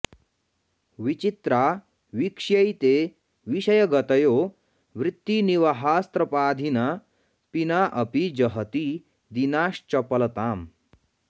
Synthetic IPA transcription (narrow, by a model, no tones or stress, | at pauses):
ʋit͡ɕit̪ɾa | ʋikʂjəjt̪e | ʋiɕəjəɡət̪əjo | ʋɾɪt̪ːiniʋəɦast̪ɾəpaːd̪ʱina | pinaʔəpid͡ʑəɦət̪i | d̪inaɕt͡ɕɐpəlt̪am